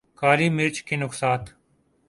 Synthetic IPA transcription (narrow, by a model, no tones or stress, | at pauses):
kaːliːmɪɾt͡ʃkinʊksaːt̪